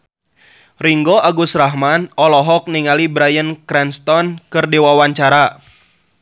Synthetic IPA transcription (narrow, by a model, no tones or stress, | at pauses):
riŋɡɔʔaɡusraɦmanɔlɔɦɔk̚niŋalibɾajənkɾɛnst̪ɔnkɨrdiwawaɲt͡ʃaɾa